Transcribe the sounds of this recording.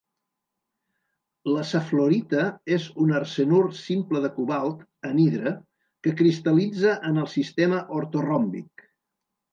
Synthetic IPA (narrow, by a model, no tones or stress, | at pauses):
ləsəfloɾit̪əezunərsənursimpləðəkuβalˠt̪ | əniðɾə | kəkɾist̪əlid͡zəʔənəlˠsist̪eməʔoɾt̪orɔmbik